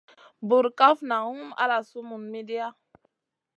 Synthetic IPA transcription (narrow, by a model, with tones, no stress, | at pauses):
bu˨ɾka˦fna˨u˦ma̰˦la˨su˦mu˨nmi˦di˦ja˦